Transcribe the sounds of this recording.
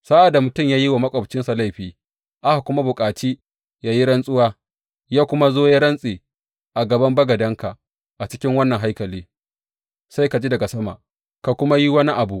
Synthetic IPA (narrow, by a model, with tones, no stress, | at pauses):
sa˦ʔa˨da˨mʊ˨tʊ˦˨mjaː˦ji˦wa˨mɐ˦kʷʼɐ˨bt͡ʃɪ˦nsa˨la˦˨jɸiː˨ | ʔa˦ha˨kʷʊ˦ma˦bʊ˨kʼaː˨t͡ʃiː˦ | jaː˦ji˦ɽɐ˦nsʼʊ˦waː˦ | jaː˦kʷʊ˦ma˦zoː˦ja˦ɽɐ˦nsʼeː˨ | ʔa˨ɡɐ˨bɐ˦mbɐ˦ɡɐ˨dɐ˦ŋka˨ʔ | ʔa˨t͡ʃɪ˦kʲɪ˦ŋwɐ˦nːɐ˨ŋɦa˦jkɐ˨liː˦ | sa˦jka˨d͡ʒi˦dɐ˨ɡa˨sɐ˦ma̰˨ʔ | ka˨kʷʊ˦ma˦ji˦wɐ˦ni˦ʔa˨bu˨ʔ